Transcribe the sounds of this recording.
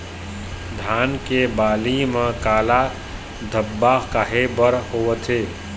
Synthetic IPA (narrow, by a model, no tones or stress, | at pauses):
d̪ʱaːnkebaːlimãkaːla | d̪ʱəbːakaɦebəɾhowət̪ʰe